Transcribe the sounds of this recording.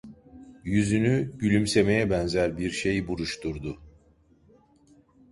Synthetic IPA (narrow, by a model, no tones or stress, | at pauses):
jyzynyɟylʲymse̞me̞jɛbɛnzæɾbiɾʃe̞jibuɾuʃt̪ʰuɾd̪ʊ